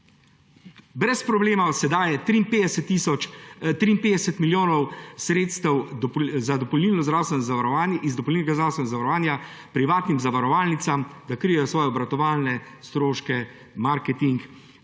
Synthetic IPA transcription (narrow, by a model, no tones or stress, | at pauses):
bɾɛspɾɔbleːmawsɛd̪aːjɛt̪ɾimped̪ɛsɛt̪ːisɔt̪ɾiːmpeːd̪ɛsɛt̪miljoːnɔwsɾeːt̪st̪ɛwzad̪ɔpɔlniːlnɔzd̪ɾawst̪ʋɛnɔzaʋaɾɔanizd̪ɔpɔlniːnɛɡazd̪ɾawst̪ɛnɔzaʋaɾɔʋaːnja | pɾiʋaːt̪nimzaʋaɾɔʋaːlnit̪samd̪akɾijɛjɔsʋɔːjɛɔbɾat̪ɔʋaːlnɛst̪ɾoːʃkɛ | maɾkɛt̪iŋk